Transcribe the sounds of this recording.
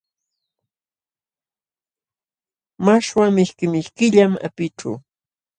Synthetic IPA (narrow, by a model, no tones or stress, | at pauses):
maʃwamɪʃkɪmɪʃkɪʎama̰pɪʈ͡ʂa̰w